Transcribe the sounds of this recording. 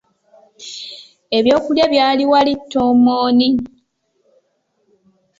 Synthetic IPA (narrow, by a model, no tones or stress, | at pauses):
e̞βjo̞ːkuljaβjaːliwalitːo̞ːmoːni